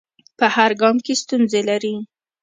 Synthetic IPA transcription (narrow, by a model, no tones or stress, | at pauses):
pəhaɾɡɑmkest̪unzelaɾi